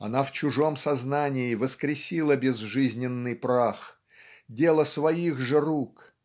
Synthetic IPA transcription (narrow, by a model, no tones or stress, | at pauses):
ɐ̰naft͡ɕʊʐo̞msɐznanʲɪɪvəskɾʲɪsʲilˠəbʲɪzʐɨzʲnʲɪnːɨjpɾax | dʲe̞lˠəsvɐiɣʐɨruk